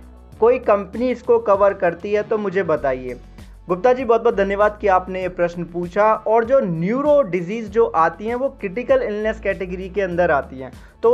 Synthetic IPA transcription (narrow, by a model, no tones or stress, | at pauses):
koːikɐ̃mpəniɪskokɐʋəɾkɐɾt̪iɦɛt̪omʊd͡ʒʱebɐt̪aːieː | ɡʊp̚t̪ad͡ʒiːbɔːt̪̚bɔːt̪d̪ʱɐnjəʋaːd̪̚kiaːpneepɾɐʃnpuːt͡ʃʰaɔːɾd͡ʒoːnjuːɾoɖɪziːzd͡ʒoːʔaːt̪iɦɛ̃ʋokɾɪʈɪkəlɪlnɛskɛːʈɪɡəɾikeɐ̃nd̪əɾaːt̪iɦɛ̰̃ː | t̪o